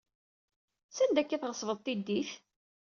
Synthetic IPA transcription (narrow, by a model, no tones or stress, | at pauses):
sænd̪ækːæθʁəsˤvəðˤt̪ːid̪ːiθ